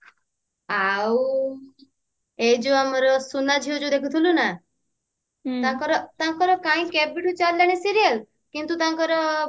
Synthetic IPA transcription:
aw | ejd͡ʒoamɔɾɔsunad͡ʒʱiod͡ʒod̪ekʰut̪ʰiluna | t̪ãkɔɾɔt̪ãkɔɾɔkãĩkɛbiʈut͡ʃaɾlaɽ̃esiɾijəl | kint̪ut̪ãkɔɾɔ

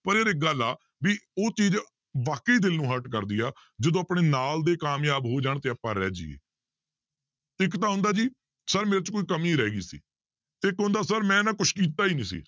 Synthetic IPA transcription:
pəɾeːɾɪɡəla̰ː | ʋiːoːt͡ʃiːd͡ʒ | ʋaːkəiːd̪ɪlnũːɦəʈkəɾd̪iːaː | d͡ʒəd̪õːapɳeːnaːld̪eːkaːmjaːbɦoːd͡ʒaːɳt̪eːəpãːɾɛ̰ːd͡ʒḭːḛː | ɪkt̪ãːɦʊnd̪aːd͡ʒiː | səɾmeːɾt͡ʃkoːiːkəmĩːɾɛːɡḭːsḭː | t̪eɪkɦʊ̃nd̪aːsəɾmɛ̃ːnãːkʊt͡ʃʰkiːt̪aːiːnĩːsḭː

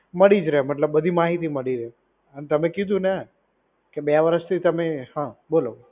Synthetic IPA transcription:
məɽid͡ʒɾəɦeməʈ̪ləbːəd̪ʱimaɦit̪iməɽiɾəɦe | ənet̪əmẽkid̪ʱũne | keɓjaʋəɾəʃt̪ʰit̪əmeɦãɓolo

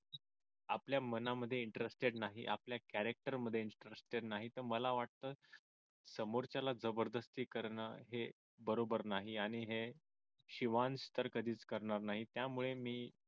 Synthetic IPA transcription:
apljamənaməd̪ʱːjeiɳʈəɾesʈeɽnaɦḭʔa̰pljakæɾek̚ʈəɾməd̪ʱːjeinʈɾesʈeɽnaɦit̪əɾməlaʋaʈ̚t̪əː | səmoɾt͡ɕjalad͡zəbəɾd̪əst̪iːkəɾɳə̰ɦe | bəɾobəɾnaɦiaɽ̃iɦe | ɕiʋanst̪əɾkəd̪ʱiːt͡skəɾɳaɾnaɦit̪jamuɭemiː

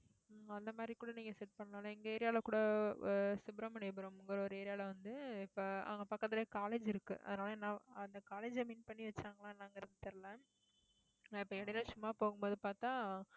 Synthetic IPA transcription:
ɐnd̪ɐmaːd̪ɾikuːɽɐnĩːŋɡɐsɛʈ̚pɐɳːnaːlɐɛŋɡɐɛːɾɪjaːlɐkuːɽɐ | sʊbɪɾɐmɐɳebɯɾõmɪŋɡɐɾɐɔɾɯɛːɾɪjaːlɐʋɐnd̪ɯɪpːoːɐ̰ɐŋɡɐpaːɾkɾɐðɐɾeːkaːleːd͡ʒɪɾɯkːɯ̰ʔɐ̰ðɯnaːlɐnːãːɐnd̪ɐkaːleːd͡ʒɐmiːnpɐɳːiʋɐt͡ʃːaːŋɡɐlãːɪnːaːɪŋɡɐɪɾɐðɯt̪ɛɾɯlɛ̃ | ɪpːoːɛɽɐlɐsʊmːaːpoːɣɯmboːðɯpaːɾt̪ãː

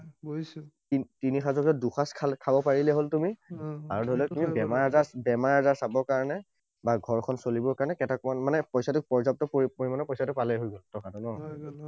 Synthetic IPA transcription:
titinixazɔkɔduxaskʰakʰabɔpaɹilɛɦoltumiaɹɔdʱɔlɛtumibɛmaɹɦazasbɛmaɹɦazaɹsabɔɹkaɹɔnɛ | baɡʱɔɹkʰɔnsolibɔɹkaɹɔnɛkɛtakanmanɛpɔjsatʊpɔɹzap̚tɔppoɹimanɔpɔjsatʊpalejɦojɡoltɔkatʊnɔɦ

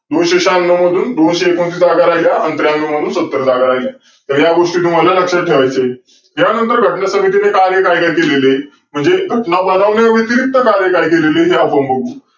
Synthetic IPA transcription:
d̪onɕeɕanːəməd̪ʱuːnd̪onɕeːkõnsid͡zaɡaɾajljaənt̪ɾjanːəməd̪ʱuːnsət̪ːəɾəd͡zaɡaɾailja | t̪əɾjaɡoʂʈiːt̪um̤alaləkʂəʈʰeʋajt͡se | ɦjanənt̪əɾɡʱəʈɳasəmit̪inekaɾjəkajkaikelele | m̤əɳd͡zeɡʱəʈnabənaʋneʋit̪iɾik̚t̪ːəkaɾjəkajkeleleɦeapəmbəɡuː

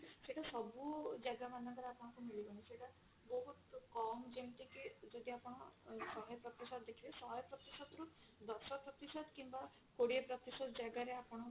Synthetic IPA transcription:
seʈasɔbud͡ʒajɡamanɔkɔɾeapɔɽ̃ɔ̃kumiliɡɔñiseʈa | bɔɦut̪kɔmd͡ʒemt̪iked͡ʒɔd̪iapɔɽ̃ɔsɔɦjɔpɾɔt̪isɔd̪d̪ekʰilesɔɦɔjɔpɾɔt̪isɔd̪ɾu | d̪ɔɾsɔpɾɔt̪isɔd̪kimba | koɽiepɾɔt̪isɔd̪d͡ʒajɡaɾeapɔɽ̃ɔ

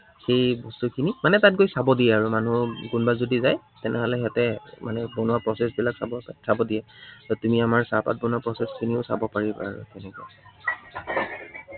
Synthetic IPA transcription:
xejbɔstukʰinimanɛtat̚ɡojsabɔdijɛaɹumanuɡunbazodizaj | tɛnɛɦɔlɛɦatɛmanɛbonwapɹɔsɛsbilaksabɔsʰabɔdijɛtɔtumiamaɹsapa̰t̚bɔnʊwapɹɔsɛskʰiniʊsa̰bɔpaɹiba̰ɹṵkɛnɛkɔa̰j

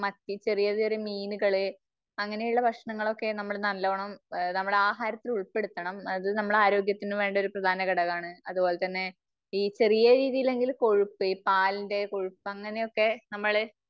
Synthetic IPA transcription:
mɐt̪ːit͡ɕe̞rijɐðɨʋɐɾemiːnuɣɐɭɨ | ɐŋːɐne̞juɭːɐbʱɐkʂɳɐŋːɐɭo̞kːe̞nɐmːɐɭnɐllːoːɐɳɐmnɐmːɐɽeaːɦaːɾɐt̪ːiluɭpe̞ɽut̪ːɐɳɐmɐðɨnɐmːɐɭaːɾo̞ːɡjɐt̪ːinɨʋe̞ːɳɖo̞ɾuprɐd̪ʱaːnɐɣɐɽɐɣaːɳɨɐðubo̞ːle̞t̪ɐnːe̞ | iːt͡ɕe̞rijɐɾiːðijile̞ŋɡilko̞ɻupːɨipaːlinde̞ko̞ɻupːɨɐŋːɐne̞o̞kːe̞nɐmːɐɭ

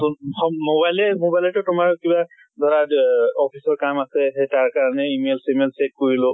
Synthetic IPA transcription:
xɔmobajlɛmobajlɛtʊtʊmaɹkiba | d̪ʱɔɹaɔpʰisɔɹkamasɛɦetaɹkaɹanɛimelsimelsek̚koɹilʊ

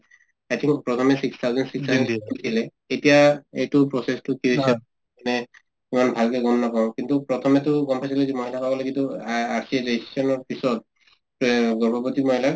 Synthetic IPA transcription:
ajt̪ʰĩŋkpɹɔt̪ʰɔmɛsikst̪ʰawzɔnsiksstʰznisilɛ | etijaejtupɹɔsestʊkiisa | anɛ | imanbʱalkɛɡɔmnakãkintupɹɔt̪ʰɔmɛtʊɡɔmpʰajs̬ilɛzimɔɦilʰakabɔlɛkintuaɹsidessɔnɔɹpisɔt̚ | ɡɔɹbɔbotimɔɦila

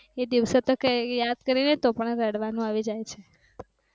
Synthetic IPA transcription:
ed̪iʋsot̪əkejad̪kəɾinet̪opəɳɾəɽʋanũaʋid͡ʒajt͡ʃʰe

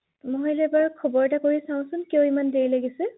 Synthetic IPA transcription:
mɔɛlɛbaɹkʰɔbɔɹɛtakoɹisaʊ̃sʊnkiɔimandeɹilaɡisɛ

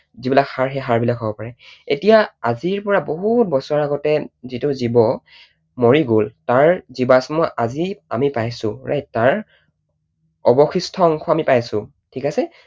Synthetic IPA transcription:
zibilakhaɹɦɛɦaɹbilakʰɔbɔpaɹɛetijaaziɹpɔɹaboɦut̚bɔsɔaaɡɔtɛzitʊzibɔ | moɹiɡoltaɹzibasmɔʔazia̰mipajsʊ̃ɹa̰jtːaɹ | ɔbɔxistʰɔːŋkʰɔamipajsʊ̃ | tʰikasɛ

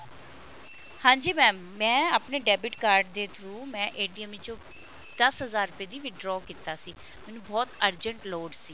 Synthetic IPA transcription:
hãːɲd͡ʒiːmɛ̃ːmːɛ̃ːaːpneːɖɛːbɪʈkaːɾɖd̪eːt̪ʰɾuːmɛ̃ːʔeːɖiəmĩt͡ʃõː | d̪̥əsɦəzaːɾʊpeːd̪iːʋɪɖɾɔːkiːt̪aːsiː | mɛːnũːbɔːt̪əɾd͡ʒəɳʈloːɖsiː

